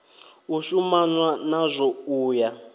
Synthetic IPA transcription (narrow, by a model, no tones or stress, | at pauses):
uʃumanwanazʷɔuːja